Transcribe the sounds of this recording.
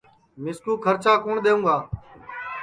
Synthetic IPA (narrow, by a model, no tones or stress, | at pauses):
mɪskuːkʰəɾt͡ʃaːkoːɳɗ̪eːũːɡaː